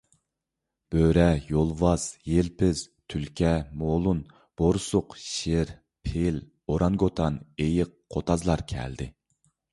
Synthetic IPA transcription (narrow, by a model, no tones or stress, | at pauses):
b̥øɾɛjolˠvɑz̥jelpʰɪz̥ | t̪ʰylkʲʰɛmolˠun | b̥oɾsʊqʃeɾ | pʰel | oɾɑnɡot̪ʰɑnejɪqʰːot̪ʰɑzlˠɑɾkʲʰɛ̰ld̪ɪ̰